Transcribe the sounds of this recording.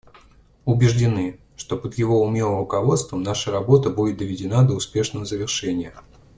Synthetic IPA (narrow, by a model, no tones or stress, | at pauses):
ʊbʲɪʐdʲɪnɨ | ʂt̪o̞pəd̪jɪvo̞ʊmʲelˠəɾʊkɐvo̞t̪st̪vəmnaʂəɾɐbo̞t̪əbudʲɪt̪̚d̪əvʲɪdʲɪnad̪əʊspʲe̞ʂnəvəzəvʲɪrʂɛnʲɪjə